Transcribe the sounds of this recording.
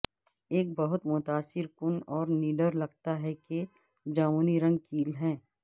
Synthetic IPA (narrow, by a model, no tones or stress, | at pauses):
eːk̚bɐɦʊt̪mʊt̪aːsɪɾkʊnɔːɾniːɖəɾlɐɡt̪aɦɛke | d͡ʒaːmuːniɾɐ̃ŋɡ̚kiːlɦɛ̃ː